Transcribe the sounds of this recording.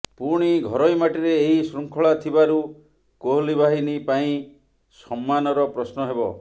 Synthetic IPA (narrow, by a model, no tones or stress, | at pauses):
puɾɽ̃iɡʱɔɾɔjmaʈiɾeːɦisɾuŋkʰɔɭat̪ʰibaɾu | koɦlibaɦinipaĩ | sɔmːanɔɾɔpɾɔsnɔɦebɔ̰